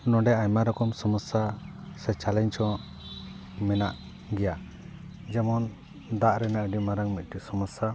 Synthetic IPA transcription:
nɔ̃ɖɛaɲmaɾɔkɔmsɔməsːasɛt͡ʃalɛɲt͡ʃɔ̃ | mɛnaʔ | ɡɛja | d͡ʒɛmɔn | d̪aʔɾɛnaʔəɖimaɾaŋmit̪̚ˀʈisɔməsːa

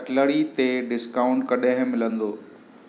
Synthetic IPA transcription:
ʈləɽit̪eɖɪskaːʊ̃ɳʈ̚kɐɗɦɪ̃mɪlə̃nd̪oː

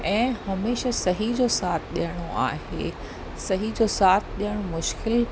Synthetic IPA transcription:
ɛ̃ːhɐmeːʃasɐɦid͡ʑosaːt̪ʰɗijəɽ̃oa̰ːɦḛ | sɐɦid͡ʑosaːt̪ʰɗijəɽ̃omʊʃkɪl

